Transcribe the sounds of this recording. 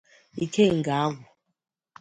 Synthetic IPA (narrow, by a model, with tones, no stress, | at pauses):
i˨kʰe˦˨ŋɡa˨˦ɣu˨